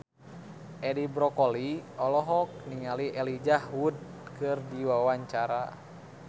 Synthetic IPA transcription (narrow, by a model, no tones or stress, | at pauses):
ʔɛdibɾɔkɔliɔlɔɦɔk̚niŋaliʔɛlid͡ʒahwud̚kɨrdiwawaɲt͡ʃaɾa̰